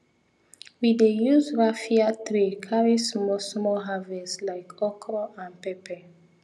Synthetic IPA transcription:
widejuzɹafiatɹikʰaɹismɔsmɔlɦavɛslaɪkɔkʰɹɔãnpɛpɛ

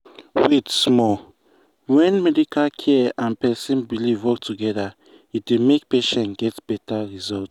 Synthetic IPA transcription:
wetsmɔ | wɛ̃nmɛdikʰalkʰɛãnpɛsĩnbilivwɔk̚tuɡɛda | itdemekpeʃɛ̃nɡɛtb̥ɛtaɹizɔlt

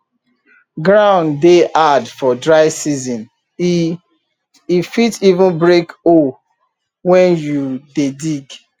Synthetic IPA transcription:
ɡɹãʊ̃ndeʔadfɔdɹaɪsizɔ̃n | ifitivũnbɹeko | wɛ̃njudediɡ

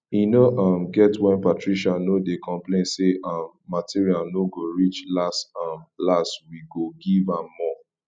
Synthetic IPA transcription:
inoʔãmɡɛtwɛ̃npatɹiʃanodekʰɔ̃mplẽnseʔãmːatiɹialnoɡoɹit͡ʃlastãmlastwiɡoɡivãmːɔ

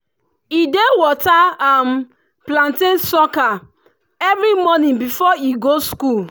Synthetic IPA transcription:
idewɔtaam | plãntẽnsɔka | ɛvɾimɔnĩnbifɔiɡoskul

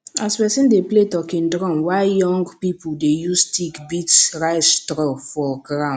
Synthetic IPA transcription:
aspɛsĩndepletɔkĩndɾɔ̃nwaɪjɔ̃ŋɡpipuldejustikbitsɹaɪtɾɔfɔɡɹãn

